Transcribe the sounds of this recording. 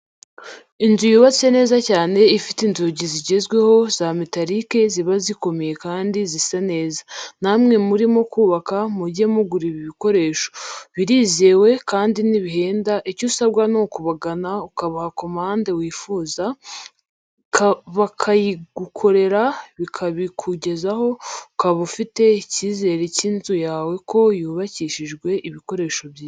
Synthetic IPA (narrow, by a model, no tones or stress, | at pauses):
inzujuβat͡sene̞ːzacaːne̞ifitinzuɟiziɟe̞zɡwe̞ho̞zamitaɾike̞ziβaziko̞meje̞kaːndizisane̞ːzanamŋe̞muɾimo̞kuːβakamubɟemuɡuɾiβiβiko̞ɾe̞ːʃo̥βiɾiːze̞ːwe̞kaːndiniβihe̞ːndaʔicusaβɡwanokuβaɡanaukaβahakomaːnde̞wiːfuːza | kaβakʰajiɡukʰo̞ɾe̞ɾaβikʰaβikʰuɟe̞zaho̞ukaβufite̞iciːze̞ːɾecinzujaːwe̞kʰo̞juːβaciʃiʒɡwe̞ʔiβiko̞ɾe̞ːʃo̞bjiː